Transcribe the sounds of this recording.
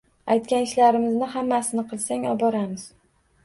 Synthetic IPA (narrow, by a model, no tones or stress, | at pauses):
ajt̪̚kʲanɪʃlaɾɪmɪznɪhamːasɪnɪqʰɨlˠsaŋɒ̰bɒɾamɪz̥